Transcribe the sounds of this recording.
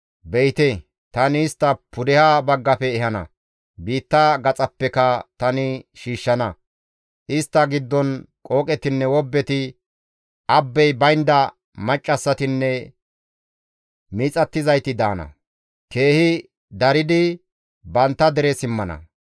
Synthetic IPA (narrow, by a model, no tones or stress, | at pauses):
bɛjt̪ɛ | t̪ɐnɪːst̪ːɐpʊd̪ɛhabɐɡːɐpɛːhɐnɐ̰ | biːt̪ːɐɡɐt͡sʼɐpːɛkɐt̪ɐnɪʃiːʃːɐnɐ | ʔɪst̪ːɐɡɪd̪ːɔnkʼo̞ːkʼɛt̪ɪnːɛwɔbːɛt̪ɪ | ʔɐbːɛjbɐjnd̪ɐ | mɐt͡ʃʼːɐsːɐt̪ɪnːɛ | miːt͡sʼɐt̪ːɪzɐjt̪ɪd̪aːnɐ̰ | ke̞ːhɪ | d̪ɐɾɪd̪ɪ | bɐnt̪ːɐd̪ɛɾɛsɪmːɐnɐ̰